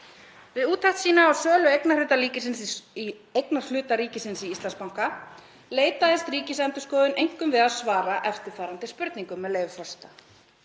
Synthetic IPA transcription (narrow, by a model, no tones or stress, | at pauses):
vɪðuːt̪ʰːaht̪siːnaːwsœːlʏejknar̥ɪːt̪aliːcɪsɪnsi | ejknḁlʏːt̪aɾiːcɪsɪnsiist̪lanspawŋ̥ka | leːjt̪aðɪst̪ɾiːcɪsɛmt̪ʏskɔːðʏnʔejŋ̥kʏmvɪðaðsvaːɾaʔɛft̪ɪɾ̥faːɾant̪ɪspʏɾt̪niŋkʏmːɛðleːjvʏfɔst̪a